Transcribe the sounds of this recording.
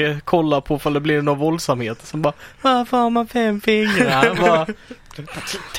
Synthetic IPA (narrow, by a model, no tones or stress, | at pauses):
kʰɔlːaɾpʰɔfald̪ɛblɪɾnovɔld̪samheːt̪sɔmbɑːvaɾfəɾhaɾmanfɛmːfɪŋɾaɾvɑ | t̪ʰ